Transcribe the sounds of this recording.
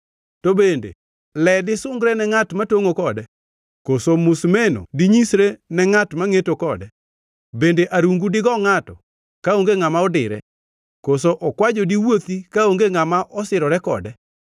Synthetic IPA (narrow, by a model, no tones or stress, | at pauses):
tobendḛ | lɛdɪsʊŋɡɾɛnɛŋatmatoŋokɔdɛ | kosomʊsmeno̰diɲisɾenɛŋatmaŋetokɔdɛ | bendeʔaɾuŋɡudɪɡɔŋatɔ | kaoŋɡeŋamaɔdɪɾɛ̰ | kosoʔɔkwad͡ʒodiwot̪ikaoŋɡeŋamaʔɔsɪɾɔɾɛkɔ̰dɛ